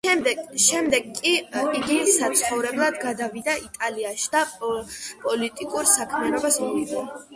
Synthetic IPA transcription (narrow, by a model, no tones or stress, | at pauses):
ɛd̪ɛʃɛmd̪ɛɡkːʼiiɡisat̪sʰχɔvɾɛblˠad̪ɡad̪avid̪aʔit̪ʼaliaʃid̪a | pʼɔlit̪ʼikʼuɾsakʰmianɔbasɔlid̪a